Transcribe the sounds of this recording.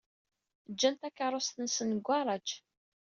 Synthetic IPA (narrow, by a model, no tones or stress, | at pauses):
d͡ʒːænt̪ækːəɾˤost̪ənsənɡʷːɑɾˤɑt͡ʃ